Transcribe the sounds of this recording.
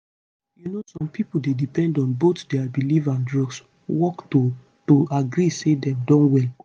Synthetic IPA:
junosɔ̃mpʰipuldedipɛ̃ndɔ̃nbotdɛabilivãndɹɔɡs | wɔkto | toaɡɾisedɛ̃mdɔ̃nwɛl

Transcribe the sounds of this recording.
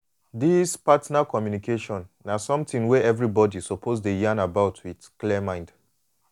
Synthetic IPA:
dispatnakɔmjunikʰeʃɔ̃nːasɔ̃mtĩŋwɛɛvɹibɔdisɔpʰozdejãnabaʊtʰwidklimãɪ̃nd

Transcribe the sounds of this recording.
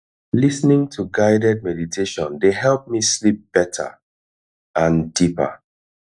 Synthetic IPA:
lisnɪ̃ŋtʰuɡaɪdɛd̚mɛditʰeʃɔ̃ndeɦɛlˠp̚mislip̚b̥ɛtʰə̰ | ãndipə̰

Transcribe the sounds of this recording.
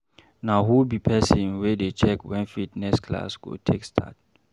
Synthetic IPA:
naɦubipʰɛsĩnwɛdet͡ʃɛkwɛ̃nfitnɛskʰla̰sɡ̥o̰tʰekstʰa̰t̚

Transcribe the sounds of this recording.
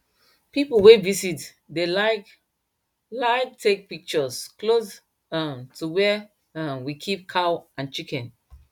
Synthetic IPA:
pipowevisit | delaɪk | laɪktʰek̚pik̚t͡ʃɔsklos | amtʰuwɛ | wikʰip̚kʰawʔãnt͡ʃikɛ̃n

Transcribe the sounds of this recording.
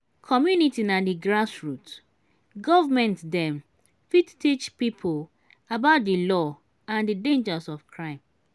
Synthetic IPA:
kʰɔmjunitinadiɡɹasɹut | ɡɔvamɛ̃ntdɛ̃m | fittit͡ʃpipʰol | abaʊt̚dilɔ | ãndidẽnd͡ʒəsɔfkʰɹãɪ̃m

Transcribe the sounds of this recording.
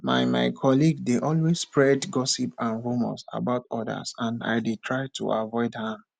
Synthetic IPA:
ma̰jma̰ɪkʰɔliɡdeʔɔlwesspɹɛdɡɔsipãnɹumɔ̰sa̰baʊtɔda̰sãna̰ɪdetʰɹaɪtʰṵʔavɔɪdhãm

